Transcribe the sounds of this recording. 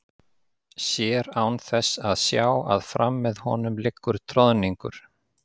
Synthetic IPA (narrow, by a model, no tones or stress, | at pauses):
sjɛːɾawnθɛsaðsjaːwa̰ðfɾamːɛðhɔnʏmlɪkːʏɾ̥t̪ʰɾɔðniŋkʏ̰ɾ̥